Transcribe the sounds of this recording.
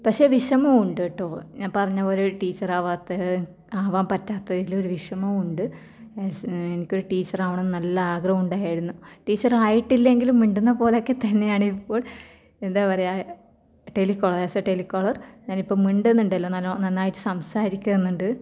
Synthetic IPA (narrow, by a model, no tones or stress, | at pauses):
pɐkʂe̞ːʋiʂɐmɐmuɳɖɨʈːoɲaːnpɐrɐɲːaoɾuʈiːt͡ɕːɐraːʋaːt̪ːɐ | aːʋaːmpɐtːaːt̪ːɐðiloɾuʋiʂɐmɐmuɳɖɨ | enikʲːoɾuʈiːt͡ɕːɐraːʋɐɳenːɨnɐlːɐaːɡrɐɐmuɳɖaːjjiɾunːuʈiːt͡ɕːɐraːjiʈːilːe̞ŋɡilumːiɳɖunːɐpo̞ːleokːe̞t̪ɐnːe̞jaːɳɨipːo̞ːɭ | end̪aːʋɐreja | ʈelikːoːɭɐresɐʈelikːoɭɐrɲaːnipːo̞ːɭmiɳɖenːuɳɖɐlːo̞ːnɐlːonɐnːaːjiʈːɨ̥sɐmsaːɾikʲːɐenːuɳɖɨ